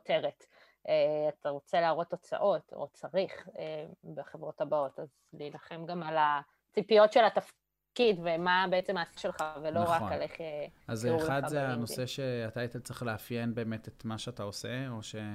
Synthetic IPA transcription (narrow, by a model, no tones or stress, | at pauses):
ote̞ʁet | eataʁo̞t͡se̞laːʁo̞tːo̞t͡sa̰ʔo̞to̰t͡saʁiχebeχevʁo̞thabao̞taz | lilaχe̞mɡamala | t͡sipijo̞tʃe̞lataf | kidvemabeet͡se̞maːsiʃe̞lχaveloʁaaleχeazuχadzeanoseʃeatajt̪elt͡sʁiχleafjenbe̞ːmetetmaʃeataoseo̞ʃe